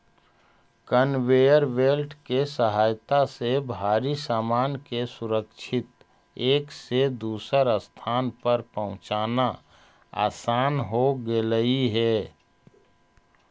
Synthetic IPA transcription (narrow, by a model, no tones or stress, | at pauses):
kənweːjəɾweːlʈkesəɦaːjt̪asebʱaːɾisaːmaːnkesʊɾəkʃʰɪt̪ | eːksed̪uːsəɾəst̪ʰaːnpəɾpəɦʊ̃t͡ʃaːna | a̰ːsaːnɦoɡeləiɦɛː